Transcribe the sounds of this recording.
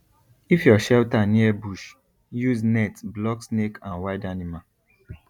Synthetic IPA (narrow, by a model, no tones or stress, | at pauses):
ifjɔʃɛltaniɛbuʃ | juznɛtblɔksnekʰãnwaɪdanima